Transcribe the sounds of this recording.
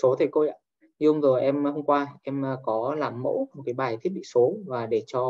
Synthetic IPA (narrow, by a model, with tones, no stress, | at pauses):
so˨˦t̪ʰə˨˩jko˧jʔa̰ː˧˨ | ɲɨ˧hə˧wŋ͡mzo˨˩jʔɛ˧mhə˧wŋ͡mkwaː˧ʔɛ˧m˧kɔ˨˦laː˨˩mːo̰˧˥m̚˨˩kaː˨˦jɓaː˨˩jt̪ʰi˦˥t̚ɓḭ˧˨so˨˦vaː˨˩ɗe˧˩t͡ɕɔ˧